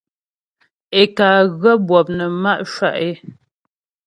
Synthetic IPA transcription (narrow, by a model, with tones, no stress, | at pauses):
e˨kaː˨ɣə˦bwɔ˨p̚nə˨ma˦ʔʃwa˦˨ʔe˦